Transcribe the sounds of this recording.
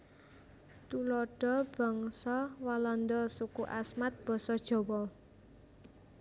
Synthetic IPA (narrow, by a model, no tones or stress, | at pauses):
t̪ulɔɖ̥ɔ̤b̥ɔ̤ŋsɔwalɔnd̪ɔsukuʔa̰smat̪̚b̥ɔ̤sɔd̥ʒ̥ɔ̤wɔ